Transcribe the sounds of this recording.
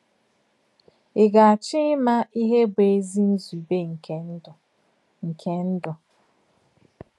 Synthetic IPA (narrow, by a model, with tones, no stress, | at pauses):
ɪ˨ɡa˨a˨t͡ʃɪ˦ɪ˦ma˦i˦ɦe˦be˨e˦zi˦n̩˦zu˨be˦ŋ̩˨ke˦˨ | ŋ̩˨kʰe˦n̩˦dʊ˨